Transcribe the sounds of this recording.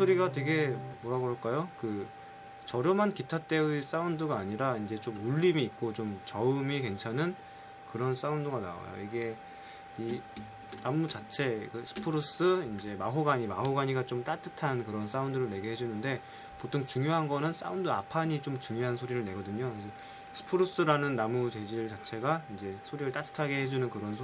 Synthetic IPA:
oɾiɡatwe̞ɡe̞moɾaɡʌɭk͈ajokɯ | t͡ɕʌɾjomankitʰat͈e̞ɯis͈aundɯɡaːɲiɾaind͡ʑe̞t͡ɕomuɭːimiːk̚k͈ot͡ɕomt͡ɕʌɯmike̞nt͡ɕʰanɯn | kɯɾʌns͈aunduɡana̰a̰jo̰iɡe̞ | i | namːut͡ɕat͡ɕʰe̞kɯsʰɯ̥pʰɯɾos͈ɯind͡ʑe̞maɦoɡaɲimaɦoɡaɲiɡat͡ɕomt͈at͈ɯtʰankɯɾʌns͈aundɯɾɯɭne̞ɡeɦe̞d͡ʑunɯnde̞ | potʰoŋt͡ɕuŋjoɦanɡʌnɯns͈a̰undoa̰pʰaɲit͡ɕomt͡ɕuŋjoɦansʰoɾiɾɯɭne̞ɡʌdɯɲoid͡ʑe | sʰɯ̥pʰɯɾos͈ɯɾanɯnːamut͡ɕe̞d͡ʑiɭt͡ɕat͡ɕʰe̞ɡaind͡ʑe̞sʰoɾiɾɯɭt͈at͈ʰɯ̥tʰaɡe̞ɦe̞d͡ʑunɯnkɯɾʌnsʰ

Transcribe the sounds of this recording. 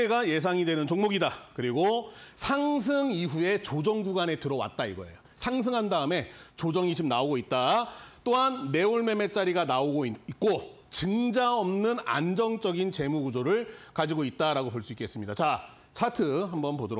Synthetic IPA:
eɡaje̞s̬ʰaŋidwe̞nɯnt͡ɕoŋmoɡidakɯɾiɡosʰaŋs̬ʰɯŋiɦue̞t͡ɕod͡ʑʌŋɡuɡane̞tɯɾʌwa̰t̚t͈aiɡʌḛjo | sʰaŋs̬ʰɯŋɦandaɯme̞t͡ɕod͡ʑʌŋit͡ɕomnaoɡoit̚t͈at͈oɦanːe̞uɭme̞me̞t͡ɕ͈aɾiɡanaoɡoiik̚k͈o | t͡ɕɯŋd͡ʑaʌmnɯna̰nd͡ʑʌŋt͡ɕ͈ʌɡint͡ɕe̞muɡud͡ʑoɾɯɭkad͡ʑiɡoit̚t͈aɾaɡopoɭs͈uik͈es͈ɯmɲidat͡ɕa | t͡ɕʰatʰɯɦambʌnpodɯɾ

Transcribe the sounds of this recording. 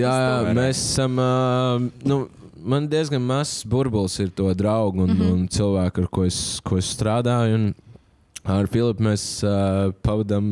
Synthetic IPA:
jaːmeːsasam | nu | mand̪iəzɡanmasbuɾbulˠsiɾt̪uɔd̪ɾaʊɡʊnʊnt̪silˠʋæːkaɾkuɔɛskuɔɛsst̪ɾaːd̪aːjʊn | aɾfilˠipmeːs | pavad̪am

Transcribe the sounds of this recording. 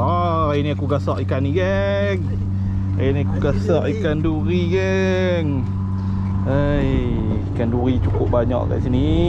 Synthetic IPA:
ɔ | ainiakuɡasɔʔikaniɡɛ | ŋ | ainiakuɡasɔʔikanduɾiɡɛ | ŋ | əj | ikanduɾit͡ʃukʊp̚baɲɔ̰ʔka̰ʔsini

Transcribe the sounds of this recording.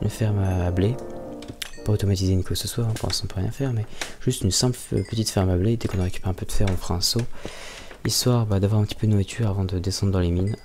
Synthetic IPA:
ynfɛʁmaːble | paot̪ɔmat̪izeynkaksəswaʁɛ̃puʁɛ̰̃sɔ̃pøʁjɛ̰̃fɛʁmɛʒ̥yst̪ynsɛ̃pl̰pət̪it̪fɛʁmabled̪ɛkɔ̃naʁekʲy̥pɛʁɛ̃pød̪əfɛʁɔ̃fχaɛ̃so | iswaʁbad̪avwaʁɛ̃pət̪i̥pød̪ənwit̪ʰyʁavɑ̃d̪əd̪esɑ̃d̪ʁəd̪ɑ̃lemin

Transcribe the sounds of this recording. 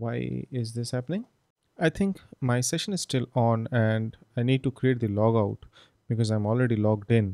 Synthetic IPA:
ʋaɪɪ̰zd̪ɪshæpənɪ̃ŋ | aɪt̪ʰɪ̃ŋkmaɪsɛʃə̃nɪz̥sʈɪlɔ̃ːnɛ̃ɳɖaɪniːɖ̚ʈukɾieːʈ̚d̪ilɔːɡaʊʈ | b̥ɪkɔːzãɪ̃mɔːlɾeɖilɔːɡɖɪ̃n

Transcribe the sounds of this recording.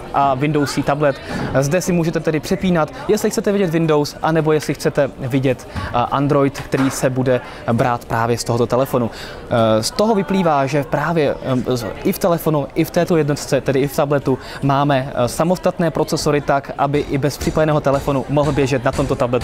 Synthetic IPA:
ʔavɪndo̞wsiːt̪ablɛt̪zdɛsɪmuːʒɛt̪ɛt̪ɛdɪpr̥ɛpiːnat̪jɛst̪lɪxt͡sɛt̪ɛvɪɟɛt̪vɪndo̞wsʔanɛbo̞jɛslɪxt͡sɛt̪ɛvɪɟɛt̪ʔa̰nd̪ɾo̞jt̪kt̪ɛɾiːsɛbudɛ | bɾaːt̪pɾaːvjɛst̪o̞ɦot̪o̞t̪ɛlɛfo̞nu | st̪o̞ɦo̞vɪpliːvaːʒɛpɾaːvjɛ | ʔɪft̪ɛlɛfo̞nuʔɪft̪ɛːt̪o̞jɛdnot̪ɪ̥t͡sɛt̪ɛdɪɪft̪ablɛt̪u | maːmɛsamo̞st̪at̪nɛːpɾo̞t͡sɛso̞ɾɪt̪akʔabɪʔɪbɛspr̥ɪpadɛnɛːɦo̞t̪ɛlɛfo̞numo̞ɦl̩bjɛʒɛt̪nat̪o̞mt̪ot̪ablɛt̪

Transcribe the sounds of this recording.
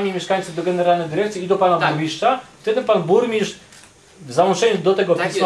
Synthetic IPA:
amʲimʲjɛʂkajnt̪suvd̪ɔɡɛnɛɾalnɛjd̪ɘɾɛk̚t̪sʲjiid̪ɔpanabuɾmʲiʂt͡ʂaft̪ɛd̪ɘpanbuɾmʲiʂ | vzawɔnt͡ʂɛɲud̪ɔt̪ɛɡɔpʲsm

